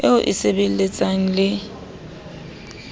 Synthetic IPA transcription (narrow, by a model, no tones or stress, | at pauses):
eʊʔɪsebel̩let͡sʼaŋ̩lɪ